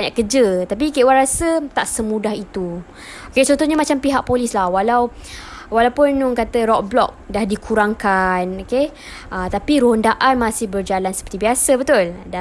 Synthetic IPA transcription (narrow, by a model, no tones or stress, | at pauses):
baɲaʔkəd͡ʒət̪ap̬ikeʔwanɾasət̪aʔsəmũdahit̪u | oket͡ʃɔnt̪ʊhɲamat͡ʃampiɦaʔ̚polɪslahwalaw | walawpʊnuŋkat̪əɾɔk̚blɔ̰k̚dahdikʰuɾaŋkanoke | ʔət̪apiɾoɦəndaʔanmãsɪhbərd͡ʒalansəpərt̪ibiasəbət̪ʊlda